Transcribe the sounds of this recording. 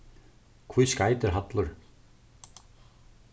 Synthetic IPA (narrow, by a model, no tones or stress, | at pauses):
kʰvuðskaːjt̪ɪɾɦat̪lʊɾ̥